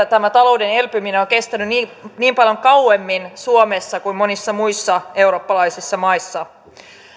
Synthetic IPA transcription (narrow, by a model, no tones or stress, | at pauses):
t̪æmæt̪ɑlo̞wde̞ne̞lpymineo̞ŋke̞st̪ænyniːniːmpɑljo̞ŋkɑwe̞mːinsuome̞sːɑkuimmo̞nisːɑmuisːɑe̞wɾo̞ːpːɑlɑjsisːɑmɑjsːɑ